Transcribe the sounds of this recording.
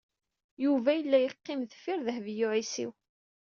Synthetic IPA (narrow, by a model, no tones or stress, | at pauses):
juvæjəlːæjəqːɪmðəfɪɾðəhvjʊʕisḭw